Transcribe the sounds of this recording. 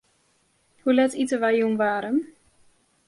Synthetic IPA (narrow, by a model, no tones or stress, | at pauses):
hulɛtitəʋajjunʋaːɾən